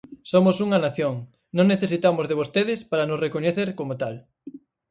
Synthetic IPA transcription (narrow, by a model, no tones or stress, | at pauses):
somosuŋɐnaθjoŋ | nõŋneθesit̪amozðeβ̞ost̪eðɪspaɾanosrekoɲeθeɾkomot̪al